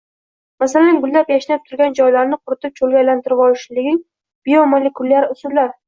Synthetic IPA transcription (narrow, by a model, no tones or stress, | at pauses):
masalanɡʊlːapjaʃɪnap̚t̪ʰʊɾɡʲand͡ʒɒjlaɾnɪqʰʊɾɪt̪ʰɪp̚t͡ʃʰolˠɡʲajlant̪ʰɪɾɪpɒlɪʃlɪɡʲɪŋ | b̥ijomolekʰʊlaɾʊsʊd̪lːaɾ